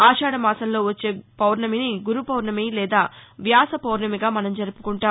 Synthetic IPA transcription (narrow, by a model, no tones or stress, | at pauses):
aːʃaːɽɐmaːsɐmlo̞ːʋɐt͡ʃːe̞ːpɐwɾɳɐminiɡuɾupɐwɾɳɐmeːlɛːd̪aːʋjaːsɐpɐwɾɳɐmiɡaːmɐnɐmd͡ʒɐɾupu̥kuɳʈaː